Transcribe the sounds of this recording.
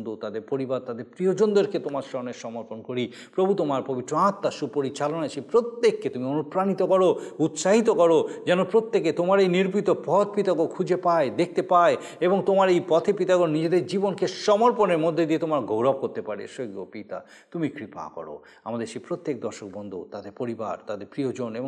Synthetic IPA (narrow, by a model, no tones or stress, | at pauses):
nd̪ot̪ad̪eɾpoɾibaɾt̪ad̪eɾpɾiod͡ʑond̪oɾket̪omaɾʃɔmneʃɔmoɾponkoɾi | pɾobʱut̪omaɾpobit̪ːɾoãt̪ːaʃupoɾit͡ɕalonaʃepɾot̪ːekːet̪umionupɾanit̪okɔɾout̪ʃaɦit̪okɔɾod͡ʑɛnopɾot̪ːeket̪omaɾejniɾpit̪opɔt̪̚pit̪akokʰud͡ʑepaed̪ek̚ʰt̪epae | eboŋt̪omaɾejpɔt̪ʰepit̪aɡonid͡ʑed̪eɾd͡ʑibonkeʃɔmoɾponeɾmod̪ʱːed̪iet̪omaɾɡowɾab̚koɾt̪epaɾḛʃoɡo̰pit̪a̰ | t̪umikɾipa̰kɔ̰ɾo̰ | a̰mad̪eɾʃejpɾot̪ːek̚d̪ɔɾʃok̚bɔnd̪ʱut̪ad̪eɾpoɾiba̰ɾt̪ad̪eɾpɾiod͡ʑoneboŋ